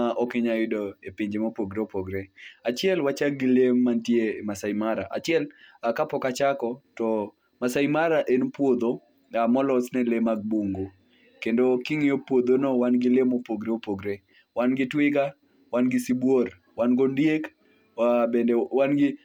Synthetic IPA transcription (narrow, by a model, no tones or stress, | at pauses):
aʔɔkɪɲajɪdoepiɲd͡ʒemopoɡɾeopoɡɾeat͡ʃɪɛlwat͡ʃak̚ɡɪlemːantjemasaimaɾa̰ʔa̰t͡ʃɪɛlakapɔkat͡ʃakɔtɔ | masaimaɾaʔenpwod̪o | amɔlɔsnɛlemaɡ̚buŋɡo | kendokɪŋɪopwod̪onowanɡɪlemopoɡɾeopoɡɾe | wanɡɪtwɪɡa | wanɡɪsibwor | wanɡondjek | abendewanɡɪ